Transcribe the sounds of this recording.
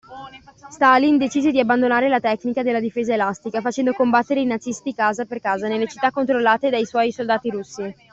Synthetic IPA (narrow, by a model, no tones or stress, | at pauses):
st̪alind̪et͡ʃiːzed̪iabːand̪onaːɾelat̪ɛkːnikad̪elːad̪ifeːzaelast̪ikafat͡ʃɛnd̪okombat̪ːeɾeinad̪zist̪ikaːzaperkaːzanelːet͡ʃit̪ːakːont̪ɾolːaːt̪ed̪ajswɔjsold̪aːt̪iɾusːi